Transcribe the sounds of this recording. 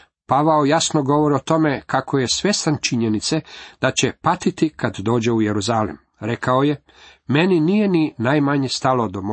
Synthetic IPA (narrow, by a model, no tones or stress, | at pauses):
paʋaojasnoɡo̞ʋoɾiot̪o̞mekako̞jesʋe̞st̪ant͡ʃiɲenit̪se̞d̪̥at͡ɕe̞pat̪it̪ikad̪d̪o̞ːd͡ʑe̞ujeɾuzalḭm | ɾe̞kaoje̞ | me̞ninije̞ninajmaɲest̪alo̞d̪omo